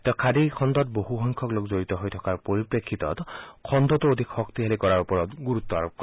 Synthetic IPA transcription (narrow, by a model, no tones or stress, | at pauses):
t̪ɔkʰad̪ikʰɔnd̪ɔt̪̚boɦuxɔjŋkʰɔklokzoɹit̪ɔɦojtʰɔkaɹpoɹipɹekʰːit̪ɔ̰tkʰɔnd̪ɔt̪uod̪ʱikxɔkt̪iɦalikɔɹaɹupɔɹɔt̪ɡuɹut̪ːɔa̰ɹɔp̚kɔ